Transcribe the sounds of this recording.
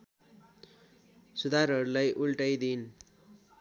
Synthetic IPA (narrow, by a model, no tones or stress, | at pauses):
sud̪ʱaɾɦʌɾulajʔulʈʌjd̪in